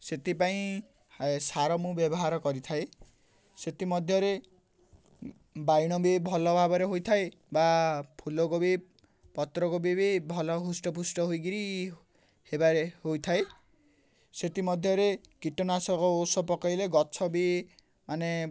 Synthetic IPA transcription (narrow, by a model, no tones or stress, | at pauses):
set̪ipaĩ | saɾɔmũbjɔbɔɦaɾɔkɔɾit̪ʰae | set̪imɔd̪ʱjɔɾe | bajɽ̃ɔbebʱɔlɔbʱabɔɾeɦojt̪ʰae | bapʰulokobe | pɔt̪ɾɔkobibebʱɔlɔɦusʈɔpusʈɔɦojɡiɾi | hebaɾeɦojt̪ʰae | set̪imɔd̪ʱjɔɾekiʈɔnasɔkɔosɔpɔkɔjleɡɔt͡ʃʰɔbe | mane